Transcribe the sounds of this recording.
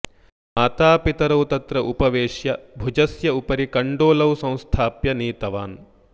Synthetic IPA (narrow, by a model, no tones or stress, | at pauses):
maːt̪aːpit̪ɐɾɐwt̪ɐt̪ɾɐʔupɐʋeːʂjɐbʱud͡ʒɐsjɐupɐɾikɐɳɖoːlɐwsɐ̃w̃st̪ʰaːpjɐniːt̪ɐʋaːn